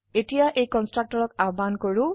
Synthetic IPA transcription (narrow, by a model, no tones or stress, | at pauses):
etijaʔejkɔnstɹak̚tɔɹɔkabankoɹu